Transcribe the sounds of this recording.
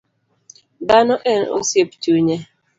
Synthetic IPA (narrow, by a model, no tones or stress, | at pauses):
danɔʔɛno̰sept͡ʃuɲe